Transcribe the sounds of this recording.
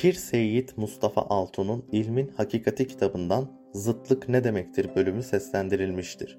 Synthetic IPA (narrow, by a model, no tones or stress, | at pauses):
cʰiɾse̞jːit̪must̪ʰafa̰ʔalˠt̪ʰununilʲminhacʰiːkʰat̪ʰicʰi̥t̪ʰabɯnd̪an | zɯt̪lˠɯkned̪e̞mɛct̪ʰiɾbø̞lʲymysɛslʲænd̪iɾilʲmiʃt̪ʰiɾ̥